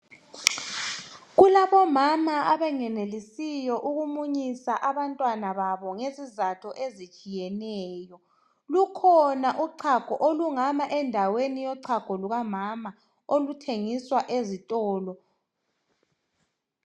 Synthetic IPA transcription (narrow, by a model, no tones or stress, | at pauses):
ɣulaβɔmamaaβɛŋɛnelisijɔʔuɣumuɲisaʔaβantʼwanaβaβɔŋezizatʰɔʔezit͡ʃʼijɛnɛːjɔ | lukʰɔnaʔuǀʰaɡ̥ʱɔʔoluŋamaʔɛndʱawenijɔǀʰaɡ̥ʱɔluɣamama | olutʰeŋiswaʔezitʼɔːlɔ